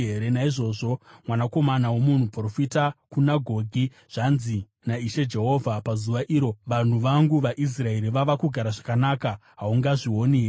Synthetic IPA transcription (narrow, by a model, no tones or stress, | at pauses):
eɾenaiʐo̞ːʐo̞mwanako̞manawomun̤uprofitakunaɡʱo̞ːɡʱi | ʐ̥anzi | naiʃe̞d͡ʒe̞ɦo̞vʱapazuʋaʔiːɾo̞ʋan̤uʋaŋɡuʋaʔis̬rae̞ɾiʋaʋakuɡʱaɾaʐakanaːkaɦauŋɡaʐiwo̞ni